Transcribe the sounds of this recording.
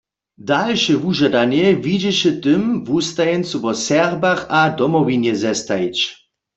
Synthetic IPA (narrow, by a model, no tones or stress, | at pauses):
dalʃɛvuʒad̪anjɛvid͡ʑɛɕɛt̪ɨmvust̪ajɛnt͡suvɔsɛrbaxad̪ɔmɔvinjɛzɛst̪ait͡ɕ